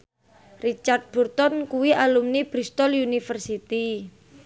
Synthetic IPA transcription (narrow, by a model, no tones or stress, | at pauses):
rit͡ʃart̪̚b̥urt̪ɔnkuwialumnib̥ɾist̪ɔlunifərsit̪i